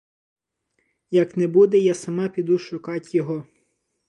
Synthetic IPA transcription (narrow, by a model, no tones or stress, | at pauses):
jɐknɛbud̪ɛjɑsɐmɑpʲid̪uʃʊkɑtʲjɔɦɔ